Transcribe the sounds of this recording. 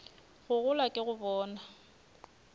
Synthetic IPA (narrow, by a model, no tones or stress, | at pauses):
ɣʊɣʊlakʼɪɣʊbɔːna